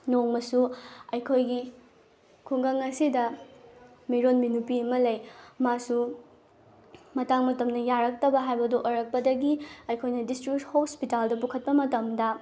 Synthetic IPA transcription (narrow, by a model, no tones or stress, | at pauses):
noŋmɐsuɐjkʰojɡi | kʰuŋɡɐŋɐsidɐ | miɾonminupiɐmɐlɐjmasu | mɐtaŋmɐtɐmnɐjaɾɐk̚tɐbɐɦajbɐdoʔojɾɐk̚pɐdɐɡiɐjkʰojnɐdistɾik̚thospitaldɐp̬ukʰɐt̚pɐmɐtɐmdɐ